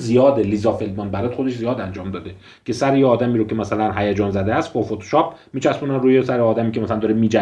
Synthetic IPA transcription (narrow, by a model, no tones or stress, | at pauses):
zijɒːd̪elizɒːfelbmɒnd̪bæɾɛːt̪xod̪e̞ʃzijɒːd̪ænd͡ʒɒːmd̪ɒːd̪e | cʰe̞sæɾejeɒːd̪æmiːɾokcʰe̞mæsælænɦæjæd͡ʒɒːnzæd̪eæst̪̚bɒːfot̪ʰo̥ʃɒːp̚ʰmiːt͡ʃʰæspuːnænruːjesæɾeɒːd̪æmiːcʰʲemæslænd̪ɒɾemiːd͡ʒæ